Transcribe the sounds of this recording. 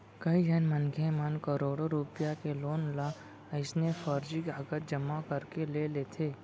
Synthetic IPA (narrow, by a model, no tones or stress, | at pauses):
kəid͡ʒənmənkʰemənkəɾoːɽoɾupjakeloːnla | ɪsnefəɾd͡ʒikaːɡət̪̚d͡ʒəmakəɾkeleleːt̪ʰeː